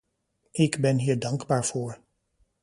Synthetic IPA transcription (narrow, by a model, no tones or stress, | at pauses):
ɪɡbɛnɦiːɹdɑŋɡbaːɹv̥oːɹ